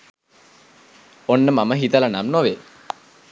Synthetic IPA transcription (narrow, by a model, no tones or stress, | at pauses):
onːəmaməɦit̪əlanamnoʋeː